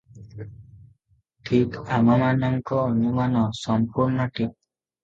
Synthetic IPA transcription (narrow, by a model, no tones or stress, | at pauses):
ʈʰikamamanɔŋkɔːnumanɔsɔmpuɾnɔʈip̚